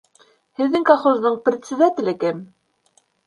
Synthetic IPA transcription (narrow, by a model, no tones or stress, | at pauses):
hɘ̆ðːɘŋkoχozðɤɴprʲɪt̪sʲɪ̆d̪at̪ʲɪ̆lɘkɘm